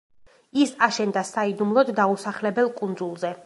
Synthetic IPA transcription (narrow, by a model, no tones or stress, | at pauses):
isaʃɛnd̪asaid̪umlˠɔd̪ːausaχlɛbɛlˠkʼund̪zulˠzɛ